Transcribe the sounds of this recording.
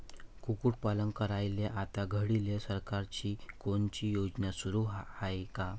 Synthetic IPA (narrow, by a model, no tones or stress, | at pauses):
kukuːʈ̚paləŋɡkəɾajleʔat̪aɡʱəɽilesəɾkaɾt͡ɕiːkoɳt͡ɕijod͡ʑnjasuɾuɦhajka